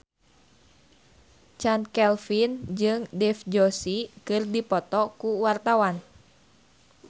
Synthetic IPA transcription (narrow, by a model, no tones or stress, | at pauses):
t͡ʃankɛlfind͡ʒɨŋdɛfd͡ʒɔsikɨrdipɔt̪ɔkuwart̪awan